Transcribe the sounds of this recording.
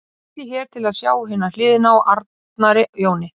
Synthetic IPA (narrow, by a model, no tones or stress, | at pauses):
cɪçɛːɾ̥t̪ʰɪlaðsjaːwɦɪnːal̥ɪːðɪnaɔʔaɾt̪ | naɾɪjoːwnɪ